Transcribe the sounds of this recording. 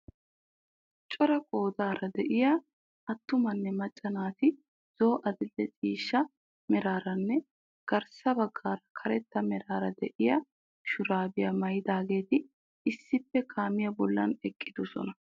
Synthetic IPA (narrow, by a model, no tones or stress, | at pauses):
t͡ʃʼɔɾɐkʼo̞ːd̪aːɾɐd̪ɛʔɪja | ɐt̪ːʊmɐnːɛmɐt͡ʃʼːɐnaːt̪ɪ | z̥o̞ːʔɐd̪ɪlːɛt͡sʼiːʃːɐ | mɛɾaːɾɐnːɛ | ɡ̥ɐɾsɐbɐɡːaːɾɐkʰɐɾɛt̪ːɐmɛɾaːɾɐd̪ɛʔɪjɐ | ʃʊɾaːbɪjɐmɐjɪd̪aːɡe̞ːt̪ɪ | ɪsːɪpːɛkʰaːmɪjɐbɔlːɐnɛkʼːɪd̪ʊsɔ̰nɐ